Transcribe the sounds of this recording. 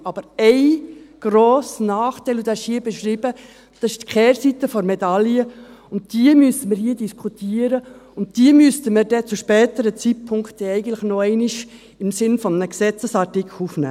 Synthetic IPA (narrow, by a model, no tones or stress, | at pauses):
ɑb̥əɾɛɪɡ̥ɾoːsnɑːχtɛɪlud̥̪ɑɪʃhiːəbɛʃɾiːbə | d̪̥ɑsɪʃtkχɛːɾsitəfɔɾmɛdɑliəʊnt̚d̥iəmysəməɾhiːədiskʰutʰiːəɾəʊn̚d̥iəmyəstəməɾdɛt͡suʃpɛːtəɾət͡sit̚pʰʊŋktɛɛɪɡən̩tlɪxnɔɛɪniʃ | ɪmsɪnfɔnnəksɛt͡səsɑɾtikʰl̩ufnæ̰ː